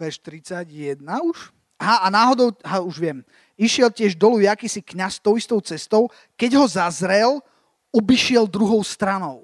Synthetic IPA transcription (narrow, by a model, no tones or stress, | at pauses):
ʋɛʃt̪ɾit͡saɟjɛd̪nauʃ | aɦaʔanaːɦɔd̪ɔʊɦauʒʋɪɛm | iʃɪɛlcɪɛʒd̪ɔlujakiːsikɲast̪ɔʊist̪ɔʊt͡sɛst̪ɔʊ | kɛɟɦɔzazɾɛl | ɔbiʃɪɛld̪ɾuɦɔʊst̪ɾanɔʊ